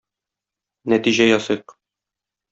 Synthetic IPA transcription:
næt̪iʑæjɒsɤq

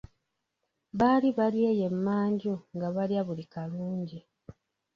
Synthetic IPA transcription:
βaːliβaljeːje̞mːaːɲɟuŋɡaβaljaβulikaluːɲɟi

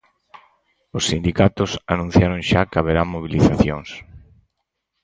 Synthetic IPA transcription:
ʊsːind̪ikat̪ʊsanũn̟θjaɾoŋʃakaβ̞eɾamoβ̞iliθaθjoŋs

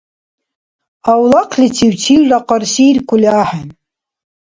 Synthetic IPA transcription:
awlaqʰlʲitʰiwtʰiwlaqɑrsirkʷʰʊlaːħan

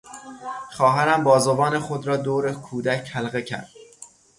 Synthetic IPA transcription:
χɒːɦæɾæmbɒːzovɒːnexod̪ɾɒːd̪oːɾekʰuːd̪æcʰhælɣecʰæ̰ɾd̪̥̚

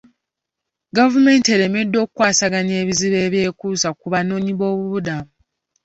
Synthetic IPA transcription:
ɡavume̞ːnte̞ɾe̞me̞dːo̞ːkukwaːsaɡaɲe̞ːβiziβe̞ːβje̞ːkuːsakuβano̞ːɲiβo̞ːβuβudamu

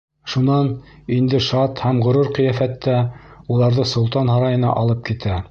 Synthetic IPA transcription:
ʃunɑnind̪ɘʃɑt̪hæmʁŏɾoɾqɤ̆jæfæt̪ːæulˠɑɾðɤsŏlˠt̪ɑnhɑɾɑjɤ̆nɑ̰ʔɑlˠɤp̚kit̪æ

